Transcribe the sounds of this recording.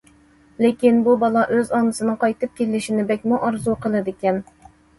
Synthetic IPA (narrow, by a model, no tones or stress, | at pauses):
lɪkʲinbubɑlˠɑʔøzɑnɨsɨnɨŋqʰɑjt̪ɨp̚kʲelːɪʃinɪbɛkʲmuʔɑɾzuqʰəlˠɨd̪ɪkʲɛn